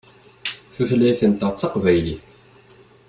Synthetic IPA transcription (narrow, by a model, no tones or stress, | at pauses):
θuθlæjθənt̪ɑt͡sːɑqvæjli